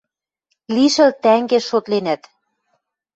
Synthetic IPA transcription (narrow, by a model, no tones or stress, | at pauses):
liʃɘ̆lt̪æŋɡeʃot̪lenæt̪